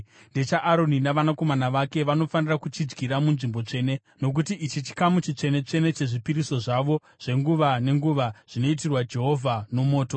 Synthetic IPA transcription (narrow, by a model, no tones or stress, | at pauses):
nde̞t͡ʃaʔːɾo̞ninaʋanako̞manaʋake̞ʋano̞fanirakut͡ʃid͡zɡiɾamunʐimbo̞t͡ʂe̞ːne̞ | no̞k̬utiʔit͡ʃit͡ʃi̥kamut͡ʃit͡ʂe̞ne̞t͡ʂe̞ne̞t͡ʃe̞ʐipiɾiso̞ʐaʋo̞ | ʐ̥e̞ŋɡuʋane̞ŋɡuʋaʐ̥ino̞it̬irwad͡ʒe̞ɦo̞vʱano̞mo̞ːto